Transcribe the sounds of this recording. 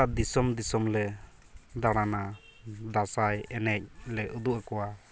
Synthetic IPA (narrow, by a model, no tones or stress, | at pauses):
ad̪isɔmd̪isɔmlɛ | d̪aɽ̃ana | d̪asajɛnɛc̚lɛʔud̪uʔakɔwa